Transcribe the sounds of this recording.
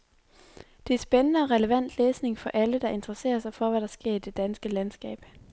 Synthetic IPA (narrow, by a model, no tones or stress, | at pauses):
d̥eæɐsb̥enənəɒ̽ʁɛləʋæn̰d̥leːsne̝ŋfɒ̽ʔæləd̥ɑ̈ʔe̝nd̥ʁɐse̝̰ːɐsɑ̈ɪfɒ̽ʋæɾ̥ɑ̈sɡ̥e̝ɐ̰id̥e̝d̥ænsɡ̥əlænsɡ̥ɛ̰ːb̥